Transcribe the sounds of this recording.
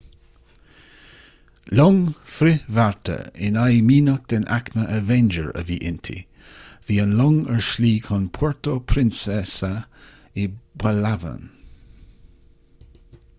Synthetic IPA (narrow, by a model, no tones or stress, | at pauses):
lɔŋfɾɪvaɹt̪ʰə̰ɪ̰najmiːnək̚d̪̥ɛnʔa̰kməʔəvɛnd͡ʒəɹə̰viːʔɪnt̪ʰḭ | viːənlɔŋɛɹʃliːkʰʊnpʰɔɹt̪opʰɾɪnsɛsə | ɪbalavə̰n